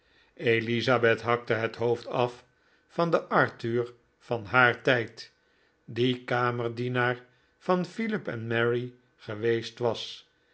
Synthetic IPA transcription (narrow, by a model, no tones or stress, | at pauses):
ejlizabɛtɦɑk̚təɦətɦowftɑf | fɑndəʔɑɹtyːɹ | fɑnɦaːɹtɛjt | dikaːməɹdinaːɹ | fɑnfilɪpɛnmɛɹi | χəʋejstʋɑs